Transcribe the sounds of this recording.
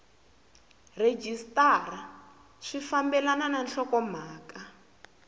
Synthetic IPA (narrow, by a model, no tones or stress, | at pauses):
red͡ʒistara | ʂifambɛlanananɬɔkɔm̤aːka